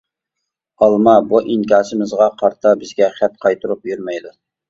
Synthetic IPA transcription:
ɑlˠmɑbuʔiŋkʲɑːsɪmɪzʁɑqʰɑɾt̪ʰɑbɪzɡʲɛχæt̪̚qʰɑjt̪ʰuɾupjyɾmɛjd̪u

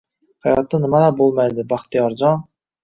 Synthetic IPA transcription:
hɑjɑ̰t̪ːɑnɪmɑd̪ɑqbolˠmɑjd̪ɪbɑχt̪ijɑɾd͡ʒɑn

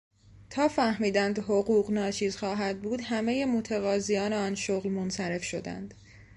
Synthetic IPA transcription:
t̪ʰɒːfæhmiːd̪ænd̪ɦoɣuːɣnɒːt͡ʃʰiːzxɒːɦæd̪̚buːd̪hæme̞je̞mot̪ʰæɣɒːzijɒːneɒːnʃoɣlmonsæɾe̞fʃo̞d̪æ̰nd̪̥

